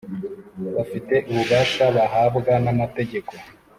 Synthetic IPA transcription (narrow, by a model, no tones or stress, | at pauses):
βafite̞ʔuβuβaːʃaβaɦaːbɡanamate̞ɟe̞ko̞